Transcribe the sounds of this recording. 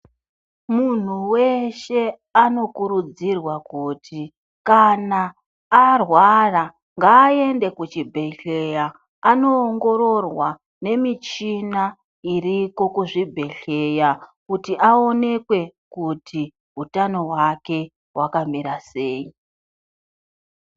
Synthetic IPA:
mun̤uwe̞ʃe̞ | ano̞kuɾud͡zirwakutʰi | kanaː | rwara | ŋɡaːe̞nde̞kut͡ʃibʱe̞ɬe̞ja | ano̞ːŋɡo̞ɾo̞rwa | ne̞mit͡ʃina | iriko̞kuʐibʱe̞ɬe̞jakutiʔao̞ne̞kwe̞kutʰi | ɦutano̞ɦwake̞ | wʔakamiɾaseːji

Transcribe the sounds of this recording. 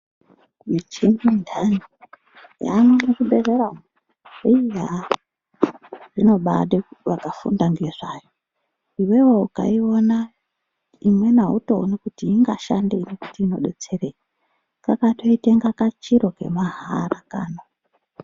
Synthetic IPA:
mit͡ʃenindʱani | ja̰nonekuɓereɾam | eija | rino̞ɓa̰ɗeʋakafṵndaŋɡeʐaːjo | iwe̞wouka̰iona | imwe̞nauto̞ːnakutiːŋɡaʃandeinekutiːno̞̰ɗḛt͡se̞reje | kakato̞iteŋɡakat͡ʃiɾo̞ke̞̰maɦaɾakaːno

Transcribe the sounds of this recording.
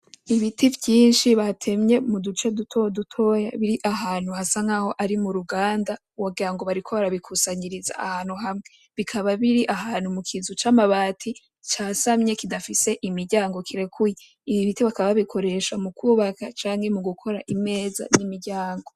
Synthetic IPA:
iβitivjiːnʃiβatʰe̞mɲe̞mudut͡ʃedutʰodutʰo̞ja̰βiɾiʔaɦaːn̥huhasaŋaho̞ʔaɾimuɾuɡaːnda | waɡiɾaŋɡo̞βaɾikʰo̞βaɾaβikʰusaɲiɾiza̰ahaːnhuɦamŋe̞ | βikʰaβaβiɾiʔaɦaːnhumukʰizut͡ʃamaβaːtʰi | t͡ʃasamɲe̞kidafise̞ʔimiɾɟaːŋɡo̞kʰiɾe̞kuje | iβiβitiβakaβaβikʰo̞ɾe̞ʃamukʰuːβakat͡ʃaːŋhe̞muɡukʰo̞ɾaʔime̞ːza̰nimiɾɟaːŋɡo̞

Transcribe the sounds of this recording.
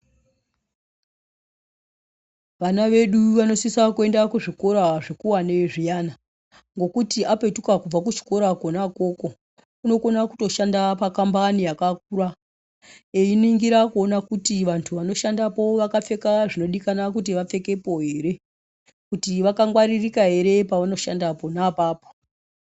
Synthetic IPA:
ʋanaʋe̞ɗuʋano̞sisakue̞ndakuʐiko̞ɾaʐekuwaneʐijana | ŋɡo̞kutiape̞tukakub͡vakut͡ʃi̥ko̞ɾakonako̞ko̞ | uno̞ko̞naku̥to̞ʃandapakambanijakak̚uɾa | einiiŋɡiɾakuonakutiʋantʰuʋano̞ʃandapo̞ʋakafe̞kaʐino̞ɗikanak̬ut̬iʋap͡fe̞ke̞po̞ɦe̞ːɾe̞ | kutiʋakaŋɡwaɾirikaɦe̞ɾe̞paʋano̞ʃandapo̞napaːpo̥

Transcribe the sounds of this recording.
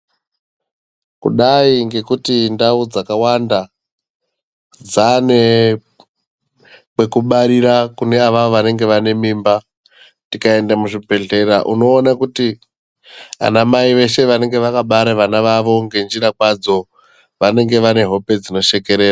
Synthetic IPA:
kṵɗaiŋɡe̞kutindaud͡zakawanda | d͡zane | kwe̞kuɓaɾiɾakune̞aʋaʋoʋane̞ŋɡe̞ʋane̞mimba | tikae̞ndamuʐibʱe̞ɮe̞ɾa̰ʔṵno̞ːnakuti | a̰namaiʋe̞ʃe̞ʋane̞ŋɡe̞ʋakaɓaɾeʋanaʋaʋo̞ŋɡe̞nd͡ʒiɾakwad͡zo̞ | ʋane̞ŋɡe̞ʋane̞ɦo̞pe̞d͡zino̞ʃe̞ke̞ɾeːra

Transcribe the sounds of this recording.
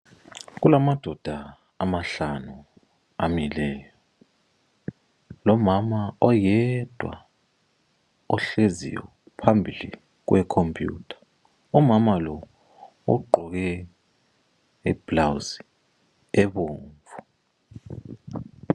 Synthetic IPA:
ɣulamad̥ʱɔd̥ʱa | amaɬanu | a̰milɛːjɔ | lɔmamaɔjɛd̥ʱwa̰ | ɔɬezḭjɔ̰ | pʰambʱilḭ | ɣ̬wɛkʰompʰʼjṵːtʰḁ | ɔmamalɔ | ṵɡ͡ǃʱɔɣɛ | ib̥lawzi̥ | ɛβoːɱvu

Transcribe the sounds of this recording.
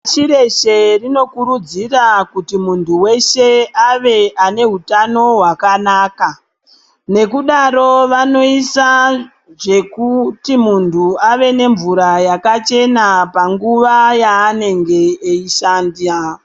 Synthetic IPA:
t͡ʃiɾe̞ʃe̞rino̞kuɾud͡zirakutimuntʰuwe̞ʃe̞aʋe̞ʔane̞ɦutano̞ɦwakanaːka | ne̞kuɗaɾo̞ʋano̞isa | ʐe̞kutimuntuaʋe̞ne̞ɱvuɾajakat͡ʃe̞napaŋɡuʋajaːne̞ŋɡe̞ːiʃandia

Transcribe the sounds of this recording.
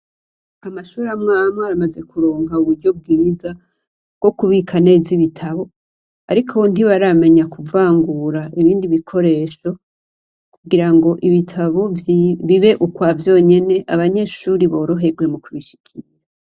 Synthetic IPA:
amaʃuːɾamŋaːmaːɾamaze̞kuɾo̞ːŋɡauβuɾɟo̞b̚ɡiːza | bɡ̥o̞kuβikʰane̞ziβitʰaβo̞ | a̰ɾikʰondiβaɾame̞ɲakuvaːŋɡuɾaʔiβiːndiβikʰo̞ɾe̞ːʃo̞ | kuɡiɾaŋɡo̞ʔiβitʰaβo̞βiβe̞ʔukwaːvjo̞ːɲe̞ne̞ʔaβaɲe̞ːʃuːɾiβo̞ːɾo̞ɦe̞ɡɡwe̞mukuβiʃi̥kʲʰiɾaa

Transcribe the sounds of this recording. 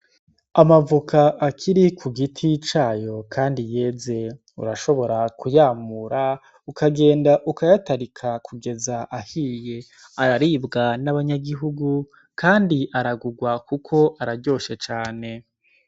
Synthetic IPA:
amavukʰaʔːkʰiɾikʰuɡitʰit͡ʃaːjo̞kʰaːndije̞ːze̞ | ṵɾaʃo̞βo̞ɾakujaːmuɾa | ukʰaɡe̞ːndaʔukajataɾikʰakʰuɡe̞zaʔahije̞ | aɾaɾiːbɡanaβaɲaɡiɦuɡu | kaːndiʔaɾaɡuɡwakukʰo̞ʔaɾaɾɟo̞ːʃe̞t͡ʃaːne̞

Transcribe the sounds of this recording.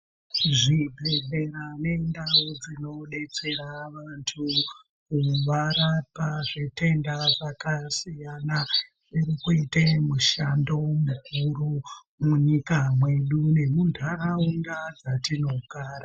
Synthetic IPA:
ʐibʱeɮe̞ɾane̞ndawod͡zino̞ɗe̞t͡se̞ɾaʋantʰu | kuʋaɾapaʐete̞ndaʐakasijana | irikuitemuʃando̞mukuru | muɲikamwe̞ɗune̞mundʱaɾauŋɡad͡zatino̞ɡʱaːra

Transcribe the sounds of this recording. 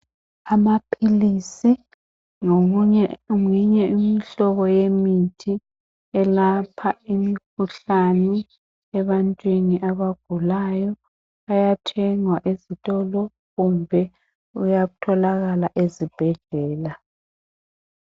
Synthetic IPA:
amapʰilisi | ŋoɣuɲɛumiɲɛimiɬɔβɔjemitʰi | ɛlapʰaimiikʰuɬanɛ | ɛβantʼwiniʔaβaɡ̥ʱulajɔ | ajatʰɛŋwaʔezitʼɔlɔ | ɣumbʱɛ | ujaɣutʰɔlaɣalaʔezib̥ʱɛɮɛːla

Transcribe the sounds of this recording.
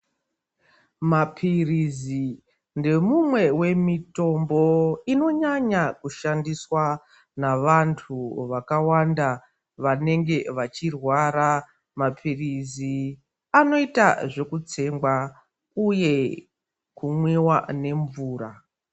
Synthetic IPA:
mapʰirizi | nde̞mumwe̞we̞mito̞mbo̞ino̞ɲaɲakuʃandiswa | naʋantʰuʋakawanda | ʋane̞ŋɡe̞ʋat͡ʃirwaːɾa | mapʰirizi | ano̞ita̰ʐe̞kut͡se̞ŋɡwa | uje̞ | kumwewane̞ɱvuːɾa

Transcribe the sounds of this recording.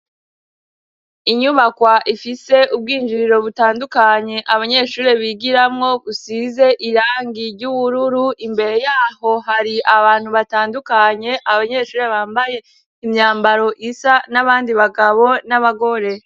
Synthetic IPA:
iɲuβakwaʔifise̞ʔub̚ɡiːnd͡ʒiɾiɾo̞βutaːndukaɲe̞ʔaβaɲe̞ʃuːɾe̞βiɡiɾamŋo̞ɡusize̞ʔiɾaːŋɡiɾɟuβuɾuɾuʔimbe̞ɾe̞jaːho̞haɾiʔaβaːn̥huβataːndukaɲe̞ʔaβaɲe̞ːʃuːɾe̞βaːmbaje̞ | imɲaːmbaɾo̞ʔisanaβaːndiβaɡaβo̞naβaɡo̞ɾe̞

